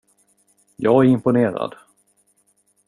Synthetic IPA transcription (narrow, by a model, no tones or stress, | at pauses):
jɑːɡæɾɪmpʊneːɾa̰d̪